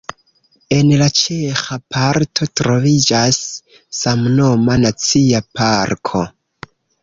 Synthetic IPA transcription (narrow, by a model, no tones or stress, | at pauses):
e̞nlat͡ʃe̞xapʰaɾtʰo̞tɾo̞vid͡ʒasː | amno̞manat͡siapʰaɾkʰo̞